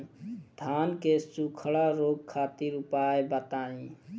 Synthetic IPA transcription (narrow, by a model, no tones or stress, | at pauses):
d̪ʱʰaːnkesukʰɽaɾoːɡ̚kʰaːt̪iɾʊpaːebət̪aːĩ